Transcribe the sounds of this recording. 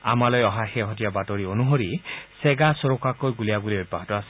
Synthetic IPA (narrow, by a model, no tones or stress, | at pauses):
a̰malɔjɔɦaxɛɦɔtijabatoɹionuɦoɹisɛɡasɔɹokakojɡuliaɡulioj̚baɦɔtɔasɛ̥